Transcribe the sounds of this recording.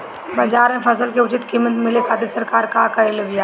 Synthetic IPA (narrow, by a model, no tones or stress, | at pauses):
bɐd͡ʒaːɾmẽfɐs̬əlkeʊt͡ʃɪt̪kɪmət̪mɪlekaːʈ̪isəɾkaːɾkaːkaɪlʋija